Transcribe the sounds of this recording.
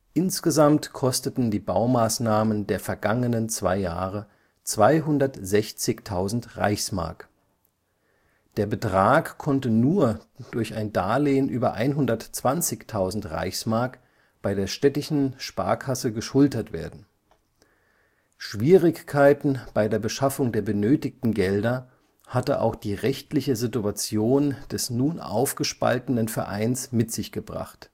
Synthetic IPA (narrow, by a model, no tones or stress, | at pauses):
ʔɪnsɡ̥əzamtkʰɔstətn̩diːbaʊmaːsnaːməndeːɐfɛɐɡaŋənənt͡sv̥a̰ɪja̰ːʁə | t͡sv̥aɪɦʊndɐtz̥ɛçt͡sɪçtʰaʊzn̩tʁa̰ɪçsma̰ɐk | d̥eːɐbətʁ̥aːkkʰːɔntənuːɐd̥ʊɐçaɪndaːleːənʔyːbɐʔa̰ɪnɦʊndɐtt͡sv̥ant͡sɪçtʰaʊzn̩tʁa̰ɪçsmaɐk | b̥aɪdeːɐʃtɛtɪʃn̩ʃpa̰ːɐkʰasəɡəʃʊltɐtv̥eːɐdn̩ | ʃv̥iːʁɪçkʰaɪtn̩b̥aɪdeːɐbəʃafʊŋdeːɐbənøːtɪk̚tn̩ɡɛldɐ | hatə̰ʔa̰ʊxd̥iːʁɛçtlɪçəzɪtuat͡sjoːnd̥ɛsnuːnʔa̰ʊfɡ̥əʃpa̰ltənənfɛɐʔa̰ɪnsmɪtz̥ɪçɡ̥əbʁa̰χt